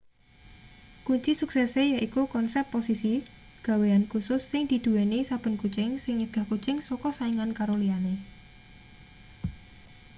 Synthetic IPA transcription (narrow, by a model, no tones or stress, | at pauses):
kuɲt͡ʃisuksɛsejaʔikukɔnsɛpːosisi | ɡ̥a̤weankusʊsːɪŋd̪̥i̤d̪̥ṳwɛnisab̥ə̤nkut͡ʃɪŋsɪŋiɡ̥a̤hkut͡ʃɪŋsokɔsaiŋankaɾoliane